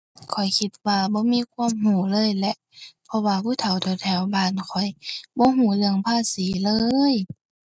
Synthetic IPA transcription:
kʰɔ˨˩jkʰi˧t̪̚waː˧bɔː˧˦miː˧˥˨kʰuː˧˥ə˨mɦuː˨˩˦lɤː˧˨jlɛ˧ʔpʰɔ˧waː˧kʰuː˧˥˨t̪ʰa˨˦wt̪ʰɔː˧˩t̪ʰɛː˧˩˨wbaː˧˩˨nkʰɔ˨˩jbɔː˧˦ɦuː˨˧˦lɯ˧əŋpʰaː˧˩siː˨˦lɤː˧j

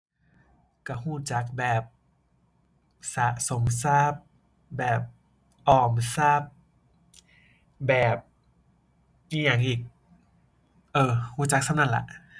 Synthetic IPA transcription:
ka˧˩huː˧˥˩t͡ɕa˨˦˥k̚bɛː˨˩p̚ | sa˨˧˦ʔso˩˦msaː˥˩p̚ | bɛː˨˩p̚ | ʔɔː˨˩msaː˥˩p̚ | bɛː˨˩p̚ | ʔiː˧˩ɲa˧˩˦ŋʔiː˨˩k̚ | ʔɤː˧˩huː˧˥˩t͡ɕa˧˦˥k̚sʰa˥˩wna˥˩˨la̰˧˦ʔ

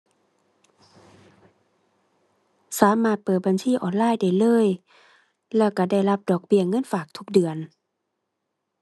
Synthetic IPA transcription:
saː˨˦maː˧˩t̪̚pɤː˨˩t̪̚ba˨nsiː˧˥˨ʔɔː˨˩nlaː˧˥˨jda˧˩jlɤː˧˥˨j | lɛː˧˥˩wka˧˩da˧˩jla˧p̚dɔː˨˩k̚bi˧˩əŋɤ˧˥˨nfaː˨˩k̚t̪ʰu˧˥k̚dɯ˨˩ən

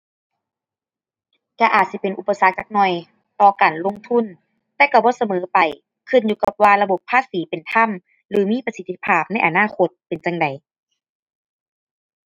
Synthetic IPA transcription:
t͡ɕa˧ʔaː˨˩t̪̚si˧˦pe˨˩nʔu˧˩pːa˧sa˧˦k̚t͡ɕa˧k̚nɔ˧˩j | t̪ɔː˧˩kaː˨˩nlo˧˨ŋt̪ʰu˧˥˨n | t̪ɛː˧˩ka˧˩bɔː˧˦sa˧mɤː˨˦pa˨˩j | kʰɯ˧˩˨njuː˧ka˧p̚waː˧la˧bo˨˩pʰːaː˧˥˨siː˨˦pe˨˩nt̪ʰa˧˥˨m | lɯː˨˦miː˧˥˨pa˧si˧t̪ʰːi˧pʰaː˧˥˩p̚na˧˥˨jʔa˨˩naː˧˥˩ko˧˦t̪̚pe˨nt͡ɕa˧ŋda˨˩j

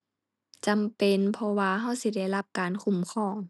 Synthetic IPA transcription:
t͡ɕa˨mpe˨npʰɔ˧waː˧ɦa˧˩˨wsi˧˦da˧˩jla˧˩p̚kaː˨˦nkʰu˧˩˨mkʰɔː˧˩ŋ

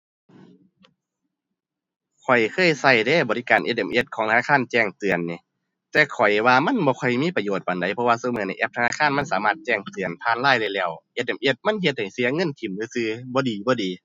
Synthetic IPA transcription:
kʰɔ˨˩jkʰɤː˧˥˨jsa˧˩jdɛː˧˩˨bɔː˨li˧kaː˨˩nʔḛ˧t̪̚ʔe˨˩mʔe˧t̪̚kʰɔː˨˦ŋt̪ʰa˧a˧kʰaː˧˥˨nt͡ɕɛː˧˩ŋt̪ɯ˨˩ənːi˧˦ | t̪ɛː˧kʰɔ˨˩jwaː˧ma˧˥˨nbɔː˧˦kʰɔ˨˩jmiː˧˥˨pa˧joː˧˩t̪̚ba˨nda˨˦jpʰɔ˧waː˧soː˧˦mː˧˨˦na˧˩jʔɛ˧p̚t̪ʰa˧naː˧kʰaː˧˥˨nma˧˥˨nsaː˨˦maː˧˩t̪̚t͡ɕɛː˧˩ŋt̪ɯ˨˩ənpʰaː˧˨nlaː˧˥˨jda˧jlɛː˧˩˨wʔe˧t̪̚ʔe˨˩mʔe˧t̪̚ma˧˥˨nhe˧t̪̚ha˨˩jsi˧˦ɐŋɤ˧˥˨nkʰi˨˩mlɯː˧sɯː˧bɔː˧˦diː˨bɔː˧˦diː˨

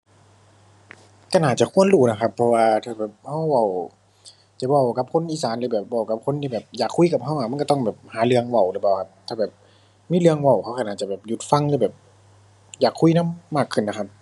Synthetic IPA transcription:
ka˧˩˨naː˨˩t͡ɕa˧˨kʰu˧˥˨ənluː˧˩na˧˩kʰa˧pʰːɔ˧waː˧t̪ʰaː˧˩bɛː˨˩p̚ha˧˥˩wwa˧˩w | t͡ɕa˨˧˩wa˧˩wka˧˦p̚kʰo˧˥˨nʔiː˧˩saː˨˦nlɯː˧bɛː˨˩p̚wa˧˩wka˧p̚kʰo˧˥˨nt̪ʰiː˧bɛː˨˩p̚jaː˨˩kʰːu˧˥˨ka˧˩p̚ha˧˩waː˧˩ma˧˥˨kt̪ɔ˧˥˨ŋbɛː˨˩p̚haː˨˦lɯ˧əŋwa˧˩wlɯ˧˩pa˧˩wkʰa˧˥p̚t̪ʰaː˧˩bɛː˨˩p̚ | miː˧˥˨lɯ˧əŋwa˧˩wkʰha˧˩wka˧˩naː˨˩t͡ɕa˧˩bɛː˨˩p̚ju˧˦t̪̚fa˧˨ŋlɯː˧˩bɛː˨˩p̚ | jaː˨˩kʰːu˧˥˨na˧˥˨mːaː˧˩kʰːɯ˧˩˨nːa˧kʰa˧˥p̚

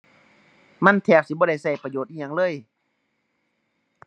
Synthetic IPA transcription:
ma˧˥˨nt̪ʰɛː˧˩k̚si˧˦bɔː˧˦a˥˩jsa˧˩jpa˧joː˨˩t̪̚ʔiː˧ɲa˧˦ŋlɤː˧˨j

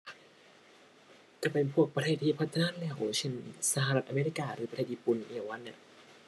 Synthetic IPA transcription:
kaː˧˩pe˧npʰu˥˩ək̚pɾa˧t̪ʰeː˧˩t̪ʰːiː˧˩pʰa˦˥t̪ʰːa˧naː˥lɛː˧˩wt͡ɕʰe˧˥˩nsa˧ha˧ɾa˧t̪̚ʔaː˧meː˧ɾiː˦˧˥kaː˧ɾɯː˨˦pa˧t̪ʰeː˧˩t̪ʔiː˧pu˧˨n˨ʔeː˧˩˨wa˧˥nːa̰˧˩

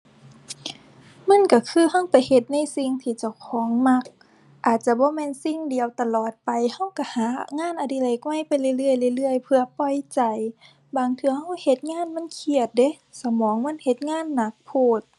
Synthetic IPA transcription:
ma˧˥˨nka˧˩kʰɯː˧˥˨ha˧˥˨wpa˨jhe˧˩t̪̚na˧˥˨jsi˧˩ŋt̪ʰiː˧˩t͡ɕa˧˩wkʰɔː˨˦ŋma˧˥k̚ | ʔaː˨˩t̪̚t͡ɕa˧˦bɔː˧˦mɛː˧˥˨nsi˧˨ŋdi˨əwt̪a˧lɔː˨˩t̪̚pa˨jha˧˥˩wka˧˩haː˨˦ŋaː˧˥˨nʔa˧˩di˧˨le˧˩k̚wa˧˥˨jpa˨jlɯː˧˨jlɯ˧˩ə˨jlaː˧˨jlɯ˧˩ə˨jpʰɯ˧ɐpɔ˧˩jt͡ɕa˨˩j | baː˨ŋt̪ʰɯ˧˦ha˧˥˩whe˧˩˦t̪̚ŋaː˧˥˨nma˧˥˨nkʰi˧˩ət̪̚de˧˦ | sa˧˦mɔː˨˦ŋma˧˥˨nhe˧˩t̪̚ŋaː˧˥˨nːa˧˦k̚pʰoː˧˩t̪̚

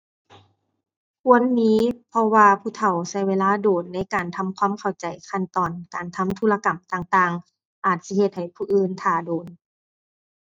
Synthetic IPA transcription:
kʰu˧˥˨ə˨nmiː˧˥pʰɔ˧waː˧pʰuː˧˩t̪ʰa˨˩wsa˧˩jweː˧laː˧˥˨doː˨˩nːa˧˥˨jkaː˨˩nt̪ʰa˧˥˨mkʰwaː˧˥˨mkʰa˨˩wt͡ɕa˨˩jkʰa˧nt̪ɔː˨˩nkaː˨˩nt̪ʰa˧˥˨mt̪ʰu˧˨la˧ka˨˩mt̪aː˧ŋt̪aː˧ŋ | ʔaː˨˩t̪̚si˧he˧t̪̚ha˨˩jpʰuː˧ʔɯː˧˨nt̪ʰaː˧˩doː˨˩n

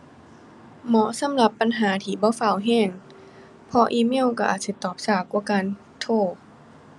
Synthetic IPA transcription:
mɔ˧˦sa˧˦mla˧˦pːa˧˨nɦaː˨˩˦t̪ʰiː˧˩bɔː˧˦fa˧˩wɦɛː˧˥˩ŋ | pʰɔ˧ʔiː˧˦mi˧˥˨wka˧˩ʔa̰ː˨˩t̪̚si˧˦t̪ɔː˨˩p̚saː˧˩kwaː˧˩˦kaː˧˨n | t̪ʰoː˧˩

